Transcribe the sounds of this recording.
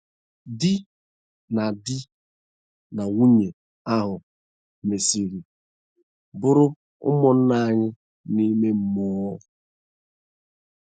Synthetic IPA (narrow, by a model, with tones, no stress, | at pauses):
di˦ | na˨di˦ | na˨wu˦ɲe˨ | a˦ɦʊ˨ | me˨si˨ɾi˨ | bʊ˦ɾʊ˦ | ʊ̰˦mɔ˨n̩˦na˦˨a˦ɲɪ˦ | ni˦me˦m̩˦mʊ˦ɔ˦